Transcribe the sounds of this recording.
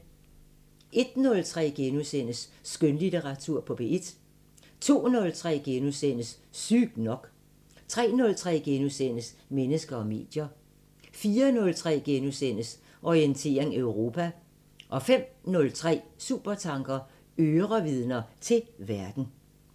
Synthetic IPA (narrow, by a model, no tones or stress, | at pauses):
ʔe̝d̥nɔ̽lt͡sʰʁɛ̰ːɡ̥enusen̰əsːɡ̥ønlit͡sʰeʁɑ̈t͡sʰuɐ̰pʰɒ̽b̥e̝̰ed̥ | t͡sʰo̝̰ːnɔ̽lt͡sʰʁɛ̰ːɡ̥enusen̰əsː | yɡ̥nɒ̽ɡ̥ | t͡sʰʁɛ̰ːnɔ̽lt͡sʰʁɛ̰ːɡ̥enusen̰əsmenəsɡ̥ɐɒ̽me̝̰ːd̥jɐ | fiːɐnɔ̽lt͡sʰʁɛ̰ːɡ̥enusen̰əs | ʔɒient͡sʰe̝̰ːɐeŋøʊʁo̝ːpʰæ | ʔɒ̽fem̰nɔ̽lt͡sʰʁɛ̰ːsuːb̥ɐt͡sʰɑ̈ŋɡ̥ɐ | øːʁɐʋið̞ˠnɐt͡sʰe̝lʋæɐd̥n̩